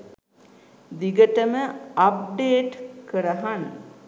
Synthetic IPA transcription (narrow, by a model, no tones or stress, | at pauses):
d̪iɡəʈəməap̚ɖeːʈkəɾəɦan